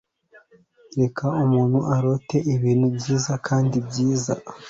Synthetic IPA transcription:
ɾe̞kʰaumuːnhuʔaɾo̞te̞ʔiβiːn̤ubɟiːzakʰaːndibɟiːza̰

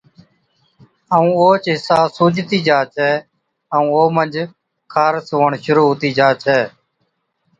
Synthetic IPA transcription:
əũːoːt͡ʃɦɪsaːsuːd͡ʒt̪iːd͡ʒaːt͡ʃʰɛː | əũːoːmənd͡ʒ | kʰaːɾsoːəɳʃʊɾuːɦʊt̪iːd͡ʒaːt͡ʃʰɛː

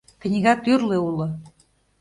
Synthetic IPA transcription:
k̆nʲiɣɑt̪yrleulˠɤ̆

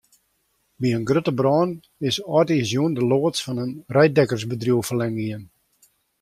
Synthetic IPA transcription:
biənɡrøtəbrɔːn | ɪsɔtisjuəndəloːtsfɑnənrɛjdɛkərsbədrjuwfərlɛŋɡiən

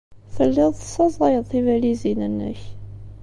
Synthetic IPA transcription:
θəlːɪðˤθə̥sɑzˤʁˤɑjəðˤθivælizinənːə̰ç

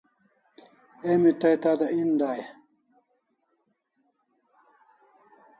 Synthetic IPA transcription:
emit̪ajt̪ad̪aʔind̪aːje

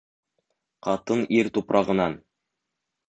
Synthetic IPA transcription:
qɑt̪ɤniɾt̪upɾʔɑʁɤ̆nɑn

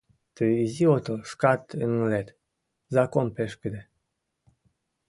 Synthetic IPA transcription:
t̪ɨiziot̪oʃkat̪əŋlet̪ | zakompeʃkəd̪e

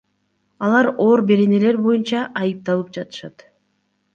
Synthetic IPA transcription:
ɑlˠɑɾo̞ːɾbe̞ɾe̞ne̞le̞ɾbo̞junt͡ʃɑʔɑjɯp̚t̪ɑlˠɯp̚d͡ʒɑt̪ɯ̥ʃɑt̪

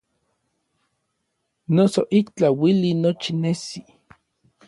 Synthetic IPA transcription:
nosoʔikt͡ɬawilinot͡ʃinesi

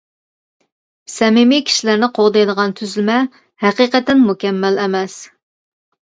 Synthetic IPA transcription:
sɛmɪmikʲʰi̥ʃilæɾnɪqʰoʁd̪ɑjd̪əʁɑnt̪ʰyzlɪmɛ | hæqiqət̪ːɛnmukʲɛmːælɛmɛs

